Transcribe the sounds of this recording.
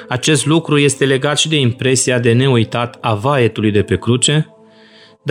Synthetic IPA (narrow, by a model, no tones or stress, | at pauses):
at͡ʃe̞st̪lukɾuje̞st̪e̞le̞ɡat̪ʃid̪e̞impɾe̞siad̪e̞ne̞ujt̪at̪avae̞t̪ulujd̪e̞pe̞kɾut͡ʃe̞ | d̪